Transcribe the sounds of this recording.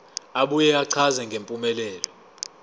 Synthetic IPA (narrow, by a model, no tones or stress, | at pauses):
aɓujɛaǀʰazɛŋɡʱempʼumɛlɛːlɔ